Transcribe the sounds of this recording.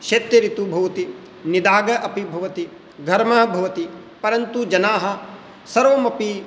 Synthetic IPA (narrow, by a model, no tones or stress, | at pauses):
ʃeːt̪jɐɾit̪ubʱɐʋɐt̪i | nid̪aːɡɐʔɐpibʱɐʋɐt̪i | ɡʱɐɾmɐɦɐbʱɐʋɐt̪i | pɐɾɐnt̪ud͡ʒɐnaːɦɐ̆ | sɐɾʋɐmɐpi